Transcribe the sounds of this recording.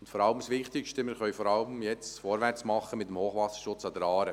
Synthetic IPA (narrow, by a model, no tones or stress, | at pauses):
ʊn̩t̪fɔɾɑləmsʋɪχt̪ɪkʃtəmɪɾχœʏfɔːɾɑləmjɛt͡sfɔɾʋært͡smɑχːəmɪtəmhoːχʋɑsə̥ʃʊt͡sɑd̪əɾɑːɾə